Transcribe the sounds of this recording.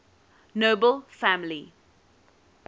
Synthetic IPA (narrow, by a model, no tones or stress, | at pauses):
noːbəlfæmli